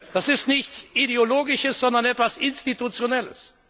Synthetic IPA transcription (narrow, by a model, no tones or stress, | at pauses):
d̥asɪstnɪçt͡sideoloːɡɪʃəsz̥ɔndɐnɛtv̥asɪnstitut͡sjonɛlə̰s